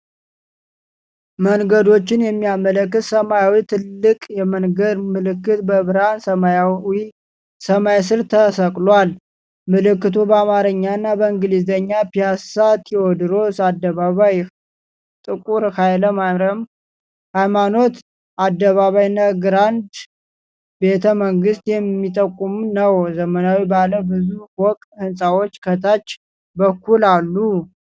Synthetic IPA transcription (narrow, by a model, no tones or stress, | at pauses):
məŋɡəd̪o̞t͡ʃːɪnjɛmːiamələkːɨt̪səmajawit̪ʰɨlːɨkʼjɛməŋɡəd̪mɨlɨkːɨt̪bəβɨɾansəmajawi | səmajs̬ɨɾt̪ʰəsəkʼlwal | mɨlɨkːɨt̪ʰubəamaɾɨɲːanːabəɨŋɡɨlizəɲːapijasat̪ʰʼiod̪ɨɾo̞sad̪ːəβaβaj | t̪ʼɨkʼuɾhajləmaɾəm | hajmano̞t̪ | ʔad̪ːəβaβajnːəɡɾand̪ | be̞t̪ʰəməŋɡɨst̪jɛmːit̪ʼəkʼːumunəwzəmənawibaləbɨzuwɔkʼt̪hɨnsʼawot͡ʃːkʰət̪ʰat͡ʃː | bəkʰːulalːu